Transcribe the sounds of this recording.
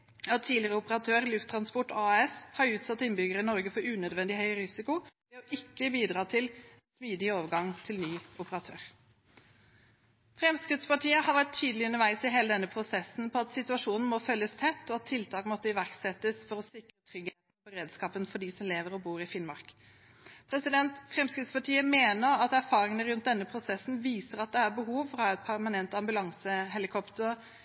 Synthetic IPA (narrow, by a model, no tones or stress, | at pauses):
ɑt̪ʰːiːlɪəɾəʊpəɾɑt̪ʰøːɾlʉft̪ʰɾɑnspɔʈɑɛshɑɾʉːt̪sɑt̪ːɪnbʏɡəɾəɪnɔɾɡəfɔɾʉːnœd̪ʋɛnd̪ɪhœʏɾɪsɪkʊʋɛːɔʔɪkːəbiːd̪ɾɑːt̪ʰɪl | smyːd̪ɪoːʋəɾɡɑŋt̪ʰɪlnyːʊpəɾɑt̪ʰøːɾ | fɾɛmskʁɪt̪spɑʈʰiːəhɑɾʋæʈ̚t̪ʰyːd̪əlɪʉnəɾʋæɪsɪɦeːləd̪ɛnːəpʰɾʊsɛsn̩pʰɔɑt̪sɪt̪ʉɑʂuːnn̩mofœlːəst̪ʰɛt̪ːɔːɑt̪t̪ʰːɪlt̪ʰɑːkmɔt̪ːəɪʋæʁksɛt̪ːəsfɔɾɔsɪkɾət̪ʰɾʏɡheːt̪npɔɾeːd̪skɑːpənfɔɖisɔmleːʋəɾɔbuːɾɪfɪnmɑʁk | pʰɾɛsɪd̪ɛnt̪fɾɛmskɾɪd̪spɑʈiːəmeːnəɾɑt̪æɾfɑːɾɪŋənəɾʉnt̪̚d̪ɛnːəpʰɾʊsɛsn̩ʋiːsəɾɑt̪̚d̪ɛæɾbəɦuːʋfɔʁɑːɛt̪̚pʰæʁmɑnɛnt̪ɑmbʉlɑŋsəɦɛlɪkʰɔpt̪əɾ